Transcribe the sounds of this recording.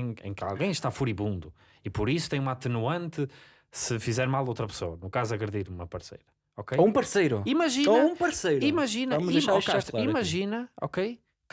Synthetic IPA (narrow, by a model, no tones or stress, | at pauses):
ḛ̃ka̰lˠɣẽj̃ʃt̪afuɾiβũnd̪u | ipɔɾisu̥t̪ẽj̃umat̪ɨnuɐ̃nt̪ɨ | sɨfizɛɾmalˠowt̪ɾɐpɨ̥soɐnukazuɐɣɾɨðiɾumɐpɐɾsḛjɾɐ | ɔkejũpɐɾsejɾuimɐʒinoũpɐɾsejɾimɐʒinɐɐɐmzʃkaʃt̪lˠimɐʒinɐɔ̰kej | k